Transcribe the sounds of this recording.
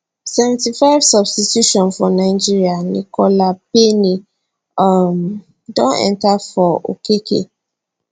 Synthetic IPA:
sɛvɛ̃ntifaɪvsɔbstituʃɔ̃nfɔnãɪd͡ʒiɾianḭ̃kʰɔlapenĩ | m | dɔ̃nɛ̰̃ntafɔo̰kekʰḛ

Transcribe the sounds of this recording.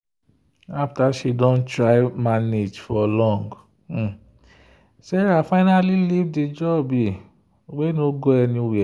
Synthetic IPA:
aftaʃidɔ̃ntɹaɪmaned͡ʒfɔlɔ̃ŋɡ̩̃ | sɛɾafaɪnalilivded͡ʒɔbi | wenoɡoɛnĩwɛ

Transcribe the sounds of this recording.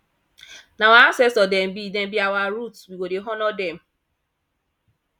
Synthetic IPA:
nawaasɛsɔdɛm̩bidẽm̩biawaɾutswiwodeɦɔnɔdɛm̩

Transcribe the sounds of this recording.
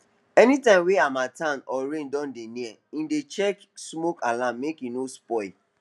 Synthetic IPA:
ɛnitãɪ̃mweamatãnɔɾẽndɔ̃ndenĩɛĩndet͡ʃɛk | smokalãmːekinospɔɪ

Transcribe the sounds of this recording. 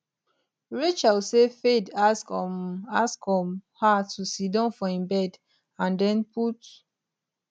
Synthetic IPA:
ɹit͡ʃalsefedaskmaskɔmhatʰusidɔ̃nfɔĩmbɛd | ãndɛ̃npʰut

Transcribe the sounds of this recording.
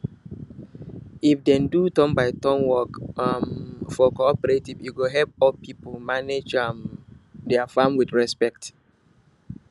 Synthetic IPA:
ifdɛ̃ndutɔ̃mbaɪtɔ̃nwɔkamfɔkoɔpɛɹetivjuɡoɦɛlp̚ɔlpipolmaned͡ʒamdɛafamwidɹɛspɛk̚t

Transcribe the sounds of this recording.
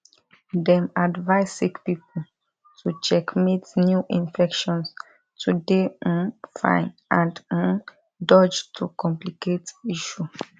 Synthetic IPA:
dɛ̃madvaɪssikpipl | tʰut͡ʃɛkmetnjuʔĩnfɛkʃɔ̃ns | tʰudẽ | fã̰ɪ̃nãnd̩ | dɔd͡ʒtʰukɔ̃mpliketiʃu

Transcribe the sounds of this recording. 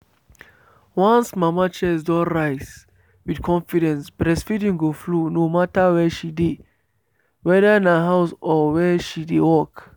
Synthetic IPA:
wãnsmamat͡ʃɛsdɔɹajz | widkʰɔ̃nfiɾɛ̃nsbɾɛsfitĩŋɡoflunomatawɛʃide | wɛðəĩnəɦaʊsɔwɛʃidewɔk

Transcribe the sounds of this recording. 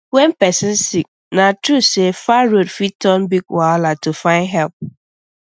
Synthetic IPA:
wɛ̃npɛsɪ̃nsik̚ | nãtʰɾusefaɾodfitʰɔ̃nbiɡwalatʰufãɪ̃nɦɛlp̚

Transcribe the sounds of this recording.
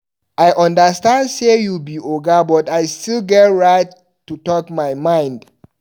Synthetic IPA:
ʔajʔɔ̃ndəstãndsejubiʔoɡabɔtajstilɡɛtɹaɪt | tːutɔkmajmãj̃nd

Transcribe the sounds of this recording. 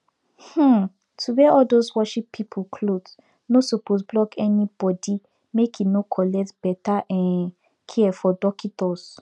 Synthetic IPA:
h̩ | tʰuwɛɔldoswɔʃipʰːipʰokʰlod | nosopos̬blɔkɛnib̥ɔdi | mekʰinokʰɔlɛk̚tb̥ɛtaʔɛ̃n | kʰiɛfɔdɔkitɔs

